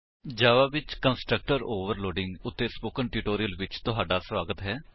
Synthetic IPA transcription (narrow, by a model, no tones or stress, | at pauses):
d͡ʒaːʋaːbɪt͡ʃkənsʈɾək̚ʈəɾoːʋəɾloːɖɪ̃ŋɡʊt̪ːeːspoːkənʈuːʈoːɾiəlʋɪt͡ʃt̪ʊɦaːɖaːsʋaːɡət̪ɦɛː